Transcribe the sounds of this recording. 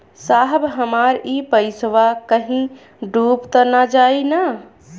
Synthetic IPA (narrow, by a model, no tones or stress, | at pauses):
saɦbɦəmaɾipəɪsʋakəɦĩ | ɖupt̪ənad͡ʒajna